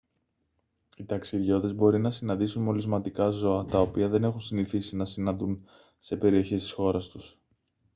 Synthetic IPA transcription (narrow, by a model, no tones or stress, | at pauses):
it̪ɐksiðʝo̞ðe̞zbo̞ɾinɐsinɐnd̪isunmo̞lizmɐt̪ikɐzo̞ɐt̪ɐo̞piɐðe̞ne̞xunsiniθisinɐsinɐnd̪un | se̞pe̞ɾio̞çest̪i̥sxo̞ɾɐst̪us